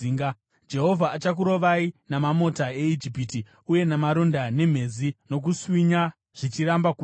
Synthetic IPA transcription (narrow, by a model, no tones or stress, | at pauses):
iŋɡa | d͡ʒe̞ɦo̞vʱaːt͡ʃak̬uɾo̞ʋainamamo̞tae̞id͡ʒipiti | uje̞namaɾo̞ndane̞m̤e̞zino̞k̬uswiɲa | ʐ̥it͡ʃiɾambaku